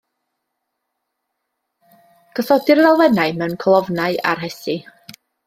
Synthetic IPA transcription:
ɡ̥əθɔdɪrvɛlˠvɛnaɨmɛwnkʰɔlˠɔvnaɨa̰rɦɛsi

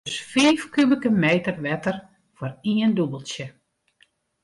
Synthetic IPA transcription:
sfeːfkybəkəmeːtərʋɛtər | fɔriəndubəlˠsjə

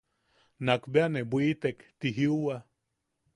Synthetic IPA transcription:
nakbeanebwʷit̪ekt̪iɦiuwa

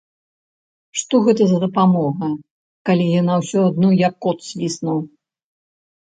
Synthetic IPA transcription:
ʂt̪ɔɣɛt̪ɐzɐd̪ɐpamɔɣɐ | kalʲijanawsʲɔad̪nɔjakːɔt̪sʲlʲisnɐw

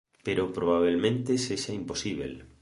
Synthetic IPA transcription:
peɾopɾoβ̞aβ̞elmẽnt̪eseʃaimposiβḛl

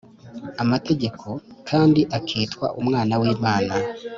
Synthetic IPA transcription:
amate̞ɟe̞kʰo̞kʰaːndiʔakʰiːtwa̰ʔumŋaːnawiːmaːna

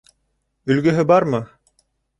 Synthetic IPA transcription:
ɵ̆lɡɵ̆ɦɘbɑɾmɤ

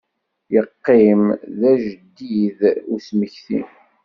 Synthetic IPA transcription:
jəqːɪmðæʒd̪ːiðusməçθḭn

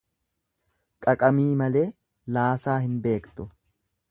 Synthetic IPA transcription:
kʼɐkʼɐmiːmɐle̞ː | laːsaːhɪnbe̞ːkt̪ʊ

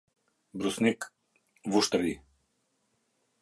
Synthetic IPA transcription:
bɾusnʲik | vuʃt̪ɾli

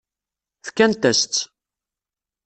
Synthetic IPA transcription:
θkːænt̪æst̪

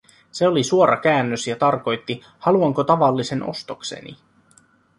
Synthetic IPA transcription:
se̞o̞lisuoɾʔɑk̟æːnːøsjɑt̪ɑrko̞jt̪ːi | hɑluɑŋko̞t̪ɑʋɑlːise̞nʔo̞̰st̪o̞kse̞̰nḭ

